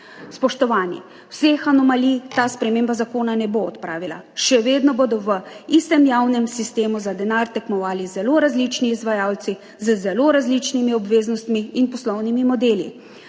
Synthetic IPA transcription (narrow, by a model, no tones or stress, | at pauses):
spɔʃt̪ɔʋaːnḭ | wsexanɔmalit̪aːspɾɛmeːmbazakoːnanɛboːt̪pɾaːʋila̰ʃɛʋeːd̪nɔbod̪ɔʋəist̪ɛmjaːwnɛmsist̪eːmuzad̪ɛnaːɾt̪ɛkmɔʋaːlizɛloːɾazlit͡ʃniːzʋajaːwt̪si | zəzɛloɾazlit͡ʃnimiɔbʋeːznɔst̪miːnpɔslɔwnimimɔd̪eːlḭ